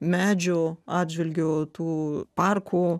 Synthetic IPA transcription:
mʲæːd͡ʒʲʊɑːd̪ʲʒʲʋʲɛlʲɡʲoːt̪uːpɑrkʰuː

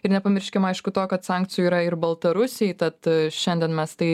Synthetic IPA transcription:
ɪɾnʲɛpɐmʲɪɾʲʃʲkʲɛmɐɪʃkʊt̪oːkɐt̪sɑˑŋʲk̚t͡s̪ʲɪjʊiːɾɐɪrbɐlˠt̪ɐɾʊsʲɛɪt̪ɐt̪ʃʲɛnʲd̪ʲɛnmʲɛst̪ɐɪ

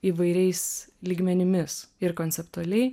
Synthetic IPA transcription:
iːʋɐɪɾʲɛɪslʲiːɡmʲɛnʲɪmʲɪsɪɾkoːnʲsʲɛpt̪uɐlʲɛɪ

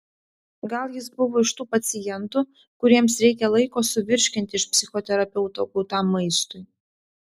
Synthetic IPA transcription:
ɡɐlˠjɪsbʊʋoːɪʃt̪uːpɐt̪sʲɪjɛnt̪uː | kʊɾʲiɛmsɾʲɛɪkʲɛlˠɐɪkoːsʊʋʲɪɾʲʃʲkʲɪnʲt̪ʲɪɪʃpʲsʲɪxoːt̪ʲɛɾɐpʲɛʊt̪okɔt̪ɑmːɐɪst̪ʊɪ

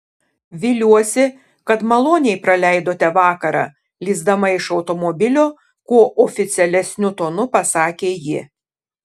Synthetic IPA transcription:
ʋʲɪːlʲuɔsʲɪ | kɐt̪mɐlˠoːnʲɛɪpɾɐlʲæɪd̪oːt̪ʲɛʋɑːkɐɾɑ̰ː | lʲiːzd̪ɐmɐɪʃɒʊt̪omobʲɪlʲoː | kuːʔɔfʲɪt̪sʲɛlʲɛsʲnʲʊt̪oːnʊpɐsɑːkʲeːjɪ

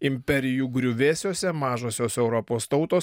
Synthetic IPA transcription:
ɪmʲpʲɛɾʲɪjuːɡɾʲʊʋʲeːsʲoːsʲɛmɑːʒoːsʲoːsɛʊɾɔpoːst̪ɒʊt̪oːs

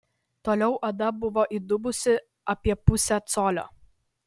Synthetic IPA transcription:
t̪oːlʲɛʊʔɐd̪ɐbʊʋoːʔid̪ʊbʊsʲɪ | ɐpʲiɛpʊsʲæt̪soːlʲo̰ː

